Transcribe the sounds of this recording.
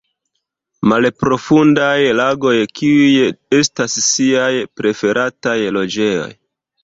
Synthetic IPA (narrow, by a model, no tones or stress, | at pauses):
malpɾo̞fundajlaɡo̞jkiuje̞stasːiajpɾe̞fe̞ɾʔatajlo̞d͡ʒe̞jo̞̰j